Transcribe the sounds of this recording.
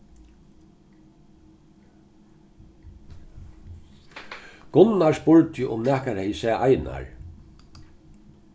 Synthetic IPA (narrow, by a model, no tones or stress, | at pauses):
ɡ̥ʊnːaɹspʊɹt̪jɪʔʊmnæːhkaɾhɛjsɛːʔajna̰ɹ